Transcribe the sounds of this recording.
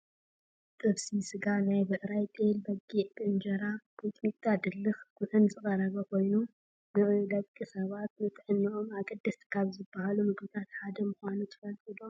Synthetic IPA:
t̪ʼɨβsisɨɡanajbɐt̪ʼɾajt̪ʼelbɐɡiʔbɨnd͡ʒɐɾab̥ut̪ʼmit̪ʼːad̪ɨlːɨxɡ̥ʊʔɨnzʼɨkʼɐɾɐβɐkʰo̞jnu | bɨd̪ɐβkʼisɐβat̪̚nɨt̪ʰɨʕɨnːɨʔo̞maɡɐd̪ːɐst̪ʰkʰaβzɨbːɐhalumɨɡbɨt̪ʰat̪ħad̪ɐmɨxʷanut̪ʰɨ̥fɐlt̪ʼilom

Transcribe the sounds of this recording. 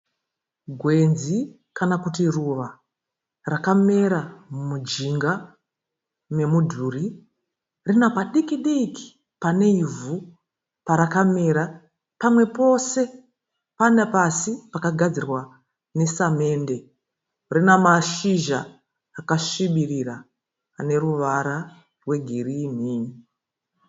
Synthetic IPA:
ɡʱwe̞nzi | kanakutiruʋa | rakame̞ɾamumud͡ʒiŋɡa | me̞mudʱuːri | rinapaɗikiɗiki̥ | pane̞ivu | paɾakame̞ːɾa | pamwe̞po̞se̞ | panepasipakaɡʱad͡zirwa | ne̞same̞ːnde̞ | rinamaʃiʒa̰ː | kaʃiɓiriraː | ne̞ruʋaɾa | rwe̞ɡʱiriːm̤iːni

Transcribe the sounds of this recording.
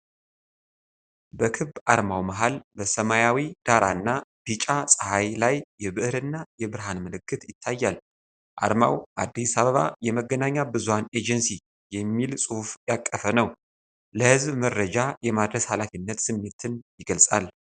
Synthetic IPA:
bəkʰɨbʔaɾmawmaɦalbəsəmajawid̪̥aɾʔa̰ɨnːab̥it͡ʃʼasʼəhajlajːɛβɨʔhɾɨnːajɛbɨɾɦanmɨlɨkːɨt̪jɪt̪ʰːajːal | ʔa̰ɾma̰wʔad̪ːisaβəβa̰jɛməɡːənaɲːabɨzuhane̞d͡ʒɛnsi | jɛmːilsʼuhfjakʼːəfənəw | ləhɨzbməɾːəd͡ʒajɛmad̪ɾəshalafinːət̪sɨmːe̞t̪ʰɨnjɪɡəlsʼal

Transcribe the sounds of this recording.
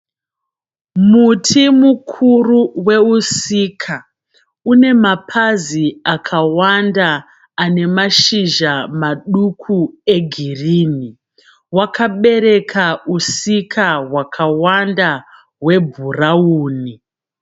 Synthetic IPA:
mutʰimukʰuruwe̞usikʰa | une̞mapʰaziakʰawandaː | ne̞maʃiʒamaɗukʰue̞ɡʱiriːni | wakʰaɓe̞ɾe̞kʰausikʰawakʰawanda | we̞bʱurauːni

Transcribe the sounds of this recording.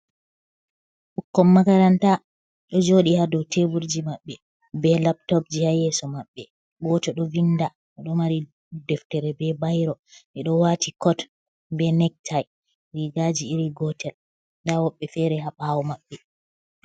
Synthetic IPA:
ʔukːɔmːakaɾanta | ɗɔd͡ʒoɗihadɔwtebuɾd͡ʒimaɓːɛ | bɛlap̚tɔp̚d͡ʒihajɛsɔmaɓːɛ | ɡɔtɛɗɔvinda | ɛɗɔmaɾi | dɛftɛɾɛbɛbajɾɔʔɛɗɔwatikɔt | bɛnɛk̚tʰaj | ɾiɡad͡ʒiːɾiɡɔtʰɛl | ndawɔɓːɛfɛɾɛɦaɓawɔmaɓːɛ

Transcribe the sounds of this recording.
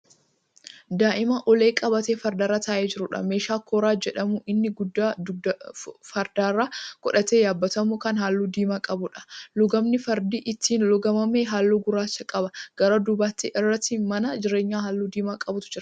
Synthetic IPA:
d̪aːʔɪmɐʔɔle̞ːkʼɐbɐt̪eːfɐɾd̪aːɾaːt̪aːʔeːd͡ʒɪɾʊᶑɐ̰me̞ːʃaːkʰoːɾaːd͡ʒɛᶑɐmʊʔɪnːɪɡʊd̪ːaːdfɐɾd̪aːrːaːkʼɔᶑɐt̪eːjaːbːɐt̪ɐmʊkɐnɦaːlːuːd̪iːmaːkʼɐbʊᶑɐ̥lʊɡɐmnɪfɐɾd̪iːʔɪt̪ːiːnlʊɡɐmɐmeːɦaːlːuːɡʊɾaːsːɐkʼɐbɐɡ̥ɐɾɐːd̪ʊbaːt̪ːɪʔɪrːɐt̪ːimɐnɐd͡ʒɪɾe̞ːɲːaːɦaːlːuːd̪iːmaːkʼɐbʊt̪ʊ̥d͡ʒɪɾɐ

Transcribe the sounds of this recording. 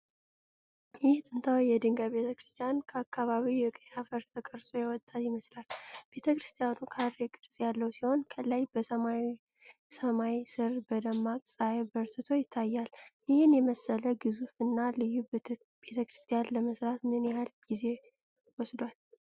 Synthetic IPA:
jɪht̪ʼɨnt̪ʰawjɛd̪ɨŋɡaβe̞t̪ʰəkɾɨst̪ʰijankʰəakʰːaβaβijɛkʼəafəɾt̪ʰəkʼəɾsʼojɛwɔt̪ʼːat̪jɪməslalb̥e̞t̪ʰəkɾɨst̪ʰijanukʰaɾekʼɨɾsʼjalːəwsiho̞nkʰəlajbəsəma | səmajsɨɾbəd̪əmːakʼsʼajbəɾt̪ɨt̪ʰo̞jɪt̪ʰːajːaljɪhɨnjɛməsːələɡɨzufɨnːalɨjːub | b̥e̞t̪ʰəkɾɨst̪ʰijanləməsɾat̪mɨnjahalɡ̥ize̞ | wɔsd̪wal

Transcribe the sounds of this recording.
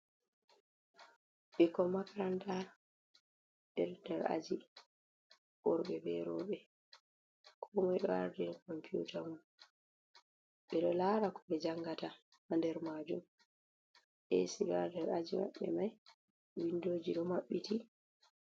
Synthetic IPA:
ɓikɔmakaɾantaɾ | ɗɛɾdɛɾa̰d͡ʒi | ɓɔɾɓɛbɛ̰ɾɔ̰ːɓɛ | kʰɔmajɗɔa̰ɾdɛnkɔmpiṵtʰamun | ɓɛɗɔlaːɾakɔɓɛd͡ʒaŋɡata | handɛɾmad͡ʒum | ʔḛsiɗɔaɾdɛɾad͡ʒima̰ɓːɛ̰maj | winːdoːd͡ʒiɗɔmaɓːiti

